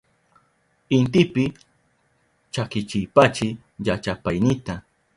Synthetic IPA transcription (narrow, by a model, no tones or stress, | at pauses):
ɪnt̪̬ɪpɪ | t͡ʃakɪt͡ʃɪjpat͡ʃɪ | jat͡ʃapajnɪt̪a